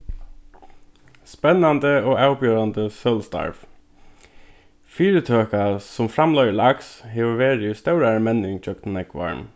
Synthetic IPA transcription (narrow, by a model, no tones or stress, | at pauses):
spɛnɑnd̪əoːæʊpjøːɾɑnd̪əsœlst̪ɑ̰ɹʋ | fiːɹət̪ʰøːkɑsɔmfɾɑmlœʏəɭɑkshɪʋəʋeːɾəjʉːst̪æʉɾəmɛnɪŋc͡çʰœkt̪nɛkʋɑ̰ɹm